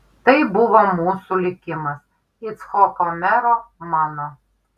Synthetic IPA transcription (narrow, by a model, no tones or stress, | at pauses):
t̪ɐɪbʊʋomuːsʊlʲɪkʲɪmɐs | ɪt̪sxɔkomʲæɾomɑːno